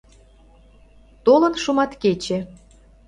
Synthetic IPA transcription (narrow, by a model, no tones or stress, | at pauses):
t̪olə̆nʃumɑt̪ket͡ɕe